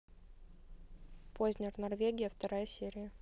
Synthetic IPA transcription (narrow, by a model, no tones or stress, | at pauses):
pʰozʲnʲɪrnɐrvʲeɡʲɪjəft̪ɐɾajəsʲeɾʲɪjə